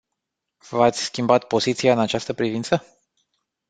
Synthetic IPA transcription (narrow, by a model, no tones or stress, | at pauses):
vat̪sʲskʲimbat̪po̞zit̪siaɨnat͡ʃast̪əpɾivint̪sə